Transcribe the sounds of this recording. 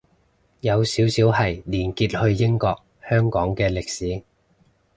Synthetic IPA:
jɐ˨˧wsiː˨˥wsiː˨˥wɦɐ˨jliː˨˩nkiː˧t̚hɵ˧ɥjɪ˥ŋkɔː˧k̚ | hœː˥ŋkɔː˨˥ŋkɛː˧lɪ˨k̚siː˨˥

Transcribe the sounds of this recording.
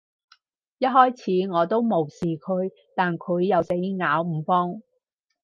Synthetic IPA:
jɐ˥t̚hɔː˥jt͡sʰiː˨˥ŋɔː˨˧t̪o˥wmo˨˩wsiː˨kʰɵ˨˧ɥ | t̪aː˨nkʰɵ˨˧ɥːɐ˨wse˨˥jŋaː˨˥wm̩ː˨˧fɔː˥ŋ

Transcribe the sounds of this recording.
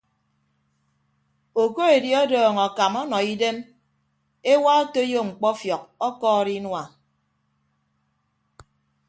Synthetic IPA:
o˨ko˦e˨dji˦ɔ˦dɔː˨ŋɔ˨ka˨mɔ˦nɔ˨i˦de˦m | e˦wa˦o˦to˦jo˦˨ŋ͡m̩˨k͡pɔ˦fjɔ˨k̚ɔ˦kɔː˦ɾi˦nwa˨

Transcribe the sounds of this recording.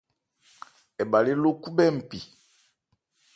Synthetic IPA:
ɛ˨ba˨le˦lo˦ku˦bɛ˦˨m̩˨pi˨

